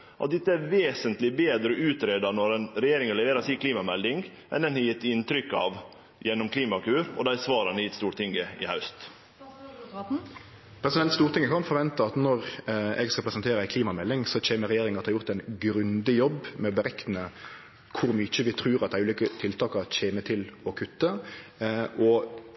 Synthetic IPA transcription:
ʔɑ̰t̪̚d̪ɛt̪ːəæɾʋeːsənt̪lɪbeːd̪ɾəʔʉːt̪ɾeːd̪ɑnɔɾɛnɾɛjeːɾɪŋəlɛʋeːɾəsiːkʰliːmɑmɛld̪ɪŋɡ | ʔɛ̰nd̪ɛnhɑjɪt̪ːɪnt̪ɾʏkːɑ̰ːʋ | jɛnːɔmkʰliːmɑkʉːɾɔ̰d̪æɪsʋɑːɾɑnjɪt̪st̪uːɾt̪ɪŋəɪ̰hɑʉst̪ | pʰɾɛsɪd̪ɛnt̪st̪uːɾt̪ʰɪŋːəkʰɑnfɔɾʋɛnt̪əɑt̪nɔʁɛ̰ɡskɑpʰɾɛsənt̪ʰeːɾəæɪkʰliːmɑmɛlːɪŋsɔt͡ɕeːməɾɛjeːɾɪŋɑt̪ːhɑɾjʊʁt̪æɪnɡɾʉnd̪ɪjɔbmɛɔbəɾɛknə | kʰʊɾmyt͡ʃəʋɪt̪ʰɾʉːʁɑt̪̚d̪æɪʉːliːkət̪ʰɪlt̪ʰɑːkɑɾt͡ʃeːmət̪ʰɪlɔkʰʉt̪ːə | ɔ

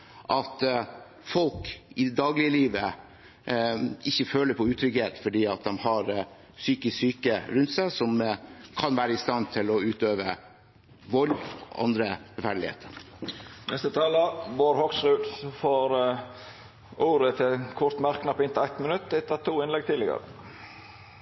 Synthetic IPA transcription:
ʔɑt̪ | fɔlkɪd̪ɑːɡlɪəliːʋə | ɪçːəføːləɾpʰɔʉːt̪ʰɾʏɡeːt̪fɔɖiːɑt̪̚d̪ɛmhɑɾ | syːkɪssyːkəɾʉnt̪sæɪsɔmkʰɑnʋæːɾəɪst̪ɑnt̪ʰɪlɔʉːt̪øːʋə | ʋɔlɡʔɑ̰nd̪ɾəɾɛfæɖlɪhḛːt̪ʰəɾ | nɛst̪ət̪ʰɑːləboːɾhɔksɾʉːd̪sɔfoːɾ | ʔuːɾət̪ʰɪkʰʊɾt̪mæɾknɑpɪnt̪ʰæɪt̪mənʉt̪ːɛt̪ʰːɑt̪ʰuːɪnlɛɡ̚t̪ʰiːləɡə̰ɾə̰

